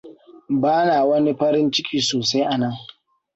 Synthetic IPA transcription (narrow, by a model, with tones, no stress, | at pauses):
baː˦naː˨wɐ˦ni˦ɸɐ˦ɾɪ˦nt͡ʃɪ˦kʲiː˨soː˨sa˦jʔa˨nɐ˦ŋ